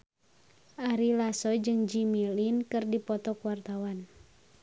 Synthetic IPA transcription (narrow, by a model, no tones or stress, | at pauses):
ʔaɾilasɔd͡ʒɨŋd͡ʒimilinkɨrdipɔt̪ɔkuwart̪awan